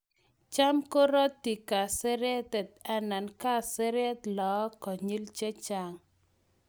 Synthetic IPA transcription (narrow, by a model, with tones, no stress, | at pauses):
t͡ʃa˦mko˦ɾɔ˦t̪ːi˨ka˨se˦ɾe˦t̪ɛ˨t̪a˦na˨nka˦se˦ɾɛ˦t̪lɔ˨˦kɔ˨ɲi˦lt͡ʃe˦t͡ʃa˨ŋ